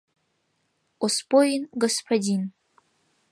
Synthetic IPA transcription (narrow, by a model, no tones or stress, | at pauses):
ospojinɡospʰadʲin